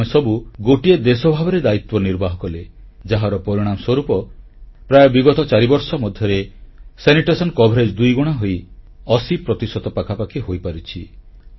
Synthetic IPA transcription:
esɔbuɡoʈied̪esɔbʱabɔɾed̪ait̪wɔniɾbaɦɔkɔled͡ʒaɦaɾɔpɔɾiɽ̃amɔswɔɾupɔpɾajɔbiɡɔt̪ɔt͡ʃaɾibɔɾsɔmɔd̪ʱjɔɾeseniʈɔsɔnkɔbʱɔɾed͡ʒd̪ujɡuɽ̃aɦoj | ɔsipɾɔt̪isɔt̪ɔpakʰapakʰiɦojpaɾit͡ʃʰi

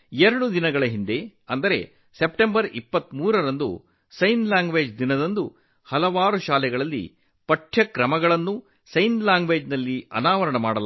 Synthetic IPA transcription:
eɾɐɽud̪inɐɡɐɭɐɦind̪e̞ɐnd̪ɐɾe̞̰ | se̞pʈembɐɾipːɐt̪ːmuːɾɐɾɐnd̪ṵ | sɐjnlaːŋɡʋeːd͡ʒd̪inɐd̪ɐnd̪u | hɐlɐʋaːɾuʃaːlɛɡɐɭɐlːḭ | pɐʈʰjɐkɾɐmɐɡɐɭɐnːu | sɐjnlaːŋɡʋeːd͡ʒnɐlːiɐ̰naːʋɐɾɐɳɐmaːɽɐl

